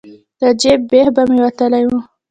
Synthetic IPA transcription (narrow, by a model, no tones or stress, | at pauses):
d̪̥əd͡ʒebːehbamewat̪əlaju